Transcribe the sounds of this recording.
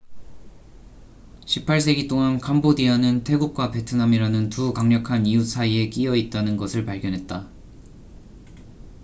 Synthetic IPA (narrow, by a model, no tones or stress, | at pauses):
ɕʰipʰaɭs̬͈ʰe̞ɡit͈oŋankʰambodianɯntʰwe̞ɡuk̚k͈wape̞tʰɯnamiɾanɯntukaŋɲʌkʰanijusʰaie̞k͈iʌit̚t͈anɯnɡʌsʰɯɭpaɭɡjʌnɦe̞t̚t͈a